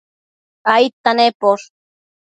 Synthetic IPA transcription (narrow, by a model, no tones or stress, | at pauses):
ajt̪anepoɾ